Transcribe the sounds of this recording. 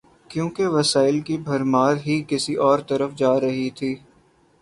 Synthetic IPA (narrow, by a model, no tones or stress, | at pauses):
kjõːkeʋɐsaːɪlkibʱɐɾmaːɾɦikɪsiʔɔːɾt̪ɐɾəfd͡ʒaːɾɐɦit̪ʰiː